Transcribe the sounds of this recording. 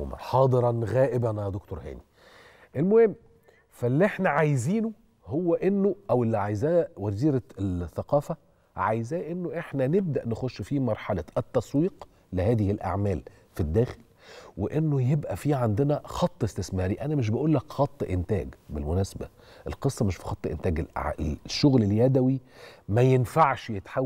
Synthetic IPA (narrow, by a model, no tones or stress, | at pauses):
mæ̰ħɑːd̪ˤɨɾˤɑnɣæːʔɪbænd̪okt̪oɾhæ̰ːni | ʔelmohemː | fælːiʔeħnæʕajziːno | howːæʔenːoʔæwelːiʕajzæːʔwæziːɾæθːæqɑːfæ | ʕajzæːʔenːoʔeħnæneb̚d̪æʔnexoʃːfiːmɑɾˤħalæt̪ːɑsˤwiːq | lɪhæːðɪhɪlʔa̰ʕmæːl | fid̪ːæːxel | weʔenːojebʔæfiːʕand̪ɪnæxɑt̪ˤːʔest̪esmæːɾiʔænæmɪʃ̬bæʔuːlːækxɑt̪ˤːʔent̪æ̰ːɡbelmʊnæːsæbæ | ʔḛlqesˤːɑmeʃfi̥xɑt̪ˤːʔḛnt̪æːɡelʔʕʃːoɣleljæd̪æwimæjenfaʕʃjet̪ħa